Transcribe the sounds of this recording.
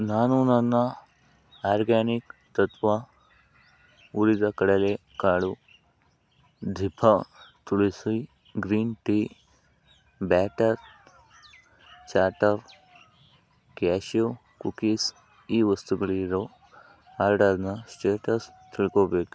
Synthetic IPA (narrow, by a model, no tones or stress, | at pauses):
naːnunɐnːɐ | aːɾɡaːnikt̪ɐt̪ʋa | uɽid̪ɐkɐɽɐlekaːɽu | d̪ʱipʰɐt̪uɭisi | ɡɾiːnʈi | baːʈɐɾ | t͡ʃaːʈɐɾ | kaːʃo | kukis | iːʋɐst̪uɡɐɭiɾo | aːɾɖɐɾnɐsʈeːʈɐst̪ʰiɭkoːbeːku